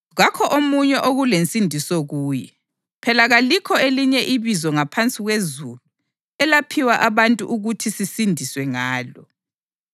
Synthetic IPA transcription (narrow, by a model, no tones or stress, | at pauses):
ɣakʰɔʔomuɲɛʔoɣulent͡sʼindʱisɔɣuːjɛ | pʰɛlaɣalikʰɔeliɲɛʔiβizɔŋapʰant͡sʼiɣwezulu | ɛlapʰiwaʔaβantʼṵʔuɣutʰisisindʱiswɛŋaːlɔ